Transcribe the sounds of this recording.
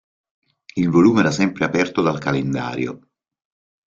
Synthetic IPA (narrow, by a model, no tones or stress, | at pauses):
ilvoluːmeɛːɾasɛmpɾeapɛrt̪od̪alkalend̪a̰ːɾjo̰